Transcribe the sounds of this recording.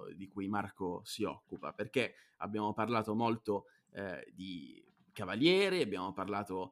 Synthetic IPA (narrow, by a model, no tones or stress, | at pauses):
d̪ikujmarkosiɔkːupa̰perke | a̰bːjaːmoparlaːt̪omolt̪o | d̪i | kavaljɛːɾiabːjaːmoparlaːt̪o